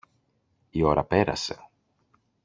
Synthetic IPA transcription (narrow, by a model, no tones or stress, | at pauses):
io̞ɾɐpe̞ɾɐ̰se̞̰